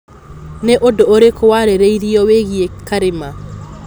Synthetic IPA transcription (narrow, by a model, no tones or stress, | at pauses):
neʔodooɾekowaɾeɾeiɾiɔweɣiekaɾema